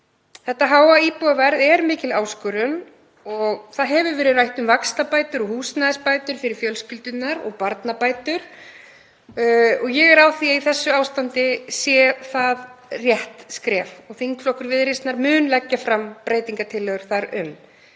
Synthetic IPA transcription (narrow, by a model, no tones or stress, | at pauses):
θɛht̪ːaɦaːwaiːpɔvɛɾðɛɾmɪːcɪlaːwskʏɾʏn | ɔɣθaðɦɛvʏɾvɛːɾɪðrajht̪ʏmvakst̪apaːjt̪ʏɾɔɣhuːsnaðɪspajt̪ʏɾ̥fɪɾɪɾ̥fjœlscɪlt̪ʏt̪naɾɔ̰ɣpaɾt̪napaːjt̪ʏɾ̥ | ɔɣjɛɣɛɾawθiaiθɛsːʏaːwst̪ant̪ɪsjɛːθaðrjɛht̪skɾɛːfɔɣθiŋkflɔhkʏɾvɪðɾɪst̪naɾmʏːnlɛcːafɾampɾeːjt̪iŋkat̪ʰɪlːœɣʏɾ̥θaɾʏ̰m